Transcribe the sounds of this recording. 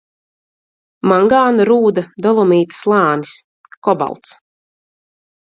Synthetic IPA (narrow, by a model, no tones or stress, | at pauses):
maŋɡaːnaɾuːd̪ad̪ɔlˠɔmiːt̪ḁslˠɑːnis | kɔba̰lˠt̪s